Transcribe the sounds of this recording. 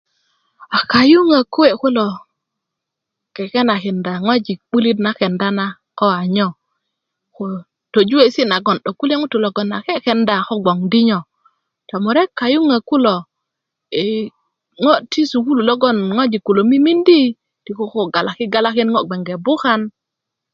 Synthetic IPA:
a˨ka˨ju˦ŋa˨ku˦e˨ku˦lo˨ | kɛ˨kɛ˦na˨kɛ˨nda˨ŋo˦d͡ʒi˨k̚ɓu˦li˦tna˦kɛ˨nda˦na˦ | kɔ˦a˨ɲɔ˦˨ | ko˨ | to˨d͡ʒu˦e˨si˦na˨ɡɔ˨nɗo˨ku˦le˦ŋu˦tu˨lɔ˨ɡɔ˨nːa˨kɛ˦kɛ˨nda˨kɔ˦ɡɔ˨ŋdi˦ɲɔ˨ | to˨mu˨ɾe˦ka˨ju˦ŋa˨ku˦lo˨ | e˨ | ŋo˦ti˦su˨ku˦lu˨lo˦ɡɔ˦nŋo˦d͡ʒi˨kːu˨lo˨mi˦mi˦ndi˦ | ti˨ko˦ko˦ɡa˨la˨ki˦ɡa˦la˦ki˦nŋɔ˦ɡ͡be˨ŋɡe˨bu˦ka˦n

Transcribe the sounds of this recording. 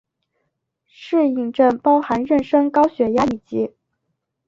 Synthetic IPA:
ʂɻ̩˥˧i˥˩ŋʈ͡ʂə˥˩npɑ˥ʊxa˧˥nɻə˥˩nʂɤ˥ŋkɑ˥ʊɕɥɛ˧˥ja˥i˨˩t͡ɕi˥

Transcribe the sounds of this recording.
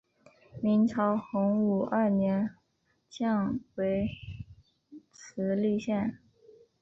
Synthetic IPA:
mi˧˥ŋt͡sʰɑ˧˥ʊxʊ˧˥ŋu˨˩ʔə˥˩njɛ˧˥n | t͡ɕʰjɑ˥˩ŋwe˧˥ɪ | t͡sʰɹ̩˧˥ly˥˧ɕjɛ˥˩n

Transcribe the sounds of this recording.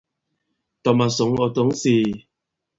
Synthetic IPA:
t̪ɔ˨ma˨sʊ˨˦ŋɔ˨t̪ɔ˨˦ŋsiː˨

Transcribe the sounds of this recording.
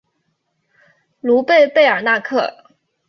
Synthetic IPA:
lu˧˥pe˥˧ɪpe˥˩ɪə˞˨˩na˥˧kʰɤ˥˩

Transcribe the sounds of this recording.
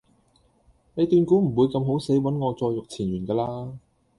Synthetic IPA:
ne˨˧jt̪yː˧nkuː˨˥m̩˨˩wuː˨˧jkɐ˧mɦo˨˥wse˨˥jwɐ˨˥nŋɔː˨˧t͡sɔː˧jʊ˨k̚t͡sʰiː˨˩nɥyː˨˩nkaː˧laː˧

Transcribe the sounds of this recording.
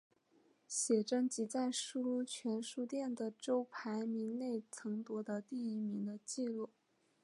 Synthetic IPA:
ɕjɛ˨˩ʈ͡ʂɤ˥ŋt͡ɕi˧˥t͡sa˥˧ɪʂu˥˧t͡ɕʰɥɛ˧˥nʂu˥˧t̪jɛ˥˩nd̪ə˩ʈ͡ʂo˥ʊpʰa˧˥ɪmi˧˥ŋne˥˩ɪt͡sʰɤ˧˥ŋt̪wɔ˧˥d̪ə˧t̪i˥˩i˧˥mi˧˥ŋd̪ə˧t͡ɕi˥˧lu˥˩

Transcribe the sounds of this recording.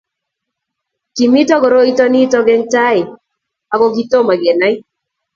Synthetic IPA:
ki˨mi˦tɔ˦ɡɔ˨ɾo˦i˦tɔ˦ni˦tɔ˦ɡɛ˦ŋta˦ɪ˨ | a˨ɡɔ˦ɡi˦to˦ma˨ɡɛ˨na˦j

